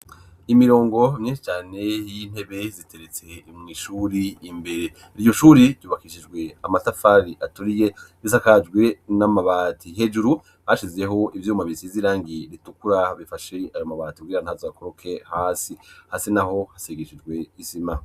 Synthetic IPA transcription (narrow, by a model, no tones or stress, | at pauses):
imiɾo̞ːŋɡo̞mɲiʃit͡ʃaːne̞jin̥he̞βe̞zitʰe̞ɾet͡se̞imŋiːʃuɾiːmbe̞ɾe̞ | iɾijo̞ʃuːɾiɾjuːβakiʃid͡ʒɡwe̞amatafaɾiʔatuɾije | izakad͡ʒɡwe̞namaβaːtihe̞d͡ʒuɾu | haʃizeɦo̞ʔivjumaβisiziɾaːŋɡiɾitukuɾaβifaʃe̞ajomaβaːtikɡiːɾanhazoakoɾokʰe̞haːsihaːsinaɦo̞haseɡeʃid͡ʒɡwe̞isima